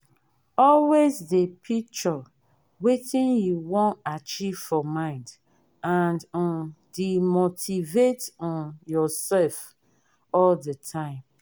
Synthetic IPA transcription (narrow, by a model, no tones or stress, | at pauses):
ɔlwezdepʰik̚t͡ʃɔ | wetĩnjuwɔ̃nat͡ʃiv̥fɔmãɪ̃nd | ãndɔ̃ndimotʰivetɔ̃njɔsɛlf | ɔldətʰãɪ̃m